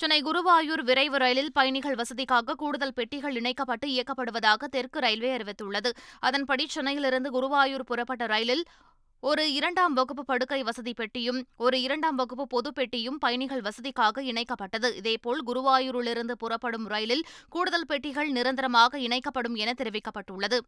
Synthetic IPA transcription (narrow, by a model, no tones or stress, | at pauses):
t͡ʃʊnɐɪɡʊɾʊʋaːjuːɾʋɪɾɐɪʋɯɾɐjɐlɪlpɐjɐɳɪɣɐɭʋɐsɐðɪkːaːɣɐkuːɽɯðɐlpɛʈːɪɣɐɭɪɳɐɪkːɐpːɐʈːɯɪjɐkːɐpːɐɽɯʋɐðaːɣɐt̪ɛrkɯɾɐjlʋeːɐɾɪʋɐɪt̪ːɯɭːɐðɯɐðɐnpɐɽit͡ʃɔnɐjɪlɪɾɯnd̪ɯɡʊɾʊʋaːjuːɾpʊrɐpːɐʈːɐɾɐjɪlɪl | ɔɾɯɪɾɐɳɖaːmʋɐɣɯp̬ːɯpɐɽɯkːɐɪʋɐsɐðipɛʈːɪjɯmɔɾɯɪɾɐɳɖaːmʋɐɣɯpːɯpɔðɯpɛʈːɪjɯmpɐjɐɳɪɣɐɭʋɐsɐðɪkːaːɣɐɪɳɐɪkːɐpːɐʈːɐðɯʔɪðeːpoːɭɡʊɾɯʋaːjuːɾɪɭɪɾɯnd̪ɯpʊrɐpːɐɽɯmɾɐjlɪlkuːɽɯðɐlpɛʈːɪɣɐɭnɪɾɐnd̪ɪɾɐmaːɣɐɪɳɐɪkːɐpːɐɽɯmɛnɐt̪ːɛɾɯʋɪkːɐpːɐʈːɯɭːɐðɯ